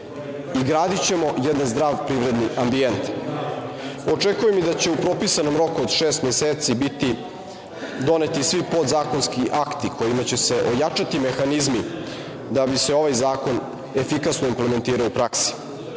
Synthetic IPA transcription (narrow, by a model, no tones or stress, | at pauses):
iɡɾaːd̪it͡ɕe̞mo̞jɛd̪anzd̪ɾaːʋpɾivɾe̞d̪niʔambient̪ | o̞t͡ʂekujemid̪at͡ɕe̞upɾo̞pisano̞mɾo̞kuod̪ʃeːst̪mjeseːt̪sibit̪i | d̪o̞net̪isʋipo̞d̪zaːko̞nskiʔakt̪ikʰo̞jimat͡ɕe̞se̞ʔo̞jat͡ʂat̪ime̞xanizmi | d̪abiseo̞ʋajzaːko̞n | e̞fikasnoimpleme̞nt̪iːɾaoupɾaksi̥